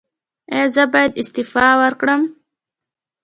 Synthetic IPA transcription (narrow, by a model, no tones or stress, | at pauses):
ezəbɑjad̪ɪst̪ɪfɑwəɾkɽəm